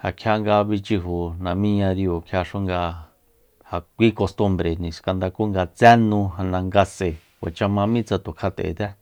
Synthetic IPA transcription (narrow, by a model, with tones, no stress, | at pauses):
ha˨kʰja˧ŋɡa˧βi˧t͡ʃi˧ɦu˨nã˨mĩ˦ɲã˧ɾi˧o˨kʰja˧ʂu˦ŋɡa˧ | ha˨kʷi˦ko˧st̪u˧mbɾe˨nĩ˨ska˧nd̪a˧ku˦ŋɡa˧t͡sɛ˦nũ˧ɦa˧nã˧ŋɡa˧se˨ | wʷa̰˨t͡ʃa˧mã˧mĩ˦t͡sa˧t̪u˨kʰa˧t̪ḛ˨d̪ɛ˦